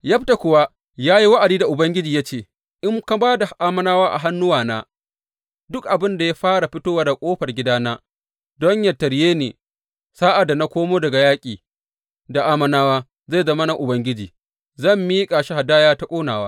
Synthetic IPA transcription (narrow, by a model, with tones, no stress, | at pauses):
jɐ˦bta˨kʷʊ˨wa˦ | jaː˦ji˦wɐ˦ʔa˨diː˦da˨ʔʊ˨bɐ˦ŋɡʲɪ˦d͡ʒiː˨ja˦t͡ʃeː˨ | ʔɪ˦ŋka˦baː˦da˨ʔaː˦mɐ˦naː˦waː˦ʔa̰˨ɦa˦nːʊ˦waː˨naː˦ | dʊ˦kʔa˨bɪ˦nda˨ja˦ɸaː˦ɽa˨ɸɪ˦toː˦waː˦da˨kʷʼoː˦ɸɐ˨rɡʲɪ˦daː˦naː˦ | dɔ˦ɲjɐ˨tɐ˨ɾjeː˦nḛː˨ | saː˦ʔa˨da˨na˦kʷoː˦moː˦dɐ˨ɡa˨jaː˦kʲʼiː˨ | da˨ʔaː˦mɐ˦naː˦waː˦ | za˦˨zɐ˦ma˦na˦ʔʊ˨bɐ˦ŋɡʲɪ˦d͡ʒiː˨ | zɐ˦˨mːiː˦kʼa˨ʃɪ˦ha˨daː˦jaː˦ta˦kʷʼoː˦naː˨wa̰ː˦